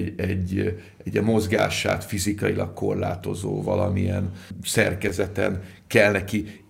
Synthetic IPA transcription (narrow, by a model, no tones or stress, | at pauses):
ɛɟː | ɛɟːɛmo̞zɡaːʃa̰ːt̪fizikɒilʔɒkko̞rlaːt̪o̞zoːvɒlɒmiɛnsɛrkɛzɛt̪ɛ̰nkɛlnɛki